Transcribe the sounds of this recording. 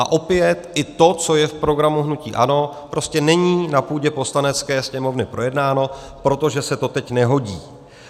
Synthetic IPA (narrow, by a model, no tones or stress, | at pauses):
a̰ʔo̞pɪjɛt̪ʔɪt̪o̞t͡so̞jɛfpɾo̞ɡɾamuɦnucḭːʔano̞pɾo̞scɛnɛɲiːnapuːɟɛpo̞slanɛt͡skɛːsɲɛmo̞vnɪpɾo̞jɛdnaːno̞ | pɾo̞t̪o̞ʒɛsɛt̪o̞t̪ɛcnɛɦo̞ɟiː